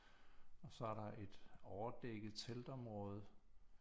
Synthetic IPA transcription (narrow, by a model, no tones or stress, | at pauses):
ɒ̽sɒ̽æɐɾɑ̈ʔe̝d̥ɒʊɐd̥eɡ̥ð̩ˠt͡sʰeld̥ɒ̽mʁɔ̽ːð̞ˠ